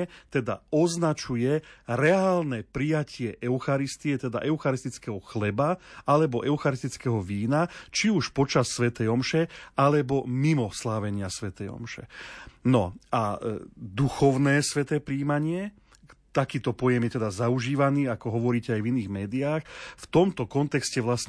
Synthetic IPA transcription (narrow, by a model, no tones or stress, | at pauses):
t̪ɛd̪a̰ɔznat͡ʃujɛɾɛaːlnɛpɾijacɪɛʔɛʊxaɾist̪iɛt̪ɛd̪a̰ʔɛʊxaɾist̪it͡skɛɦɔxlɛbaalɛbɔʔɛʊxaɾist̪it͡skɛɦɔʋiːnat͡ʃiuʃpɔt͡ʃasːʋɛt̪ɛjɔmʃɛalɛbɔmimɔslaːʋɛɲɪasʋɛt̪ɛjɔ̰mʃɛ̰nɔad̪uxɔʊnɛːsʋɛt̪ɛːpɾiːmaɲɪɛ | t̪akiːt̪ɔpɔjɛmjɛt̪ɛd̪azauʒiːʋaniːakɔɦɔʋɔɾiːcɛajviniːɣmɛːd̪iaːxft̪ɔmt̪ɔkɔnt̪ɛkscɛʋlasɲ